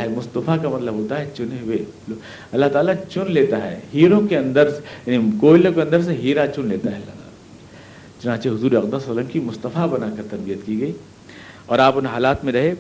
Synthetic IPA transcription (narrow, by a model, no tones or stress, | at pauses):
ɦɛmʊst̪ɐfakamɐt̪ləbʱɦoːt̪aɦɛt͡ʃʊnewe | ɐlːaɦt̪aːlat͡ʃʊnleːt̪aɦɛ̰ːɦiːɾõkeɐ̃nd̪əɾsjanikoːɪlõkeɐ̃nd̪əɾs̬eɦiːɾat͡ʃʊnleːt̪aɦɛɐlːaɦt̪a̰ːla | t͡ʃʊnãːt͡ʃeɦʊzuːɾeɐkd̪asələmkimʊst̪əfabɐnaːkɐɾt̪ɐɾbijət̪kiɡɐiː | ɔːɾaːpʊnɦaːlaːt̪mẽɾɐɦeː